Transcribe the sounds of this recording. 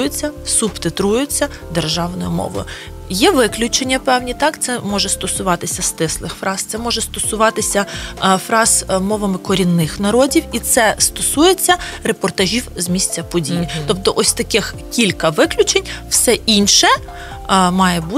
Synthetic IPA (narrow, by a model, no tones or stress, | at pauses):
jʊt͡sʲːɐsʊpt̪ɪt̪ɾujʊt͡sʲːɐ | d̪erʒɑwnɔjʊmɔ̰ʋɔ̰jʊ | jɛʋɪklʲʊt͡ʃenʲːɐpɛwnʲit̪ɑkt̪sɛmɔʒɛst̪ɔsʊʋɑt̪ɪsʲɐst̪ɪslˠɪxfɾɑz̥t̪sɛmɔʒɛst̪ɔsʊʋɑt̪ɪsʲɐfɾɑz̥mɔʋɐmɪkɔɾʲinːɪxnɐɾɔdʲiwit̪sɛst̪ɔsujet͡sʲːɐɾepɔrt̪ɐʒʲiwzmʲisʲt͡sʲɐpɔdʲijit̪ɔp̚t̪ɔʔɔsʲt̪ɐkɪx | kʲilʲkɐʋɪklʲʊt͡ʃenʲwsɛʔinʃɛ | mɑjɛbu